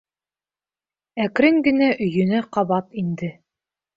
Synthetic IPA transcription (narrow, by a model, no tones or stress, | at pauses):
ækɾɘŋɡɘ̆næʔɵ̆jɵ̆næqɑβɑt̪ind̪ɘ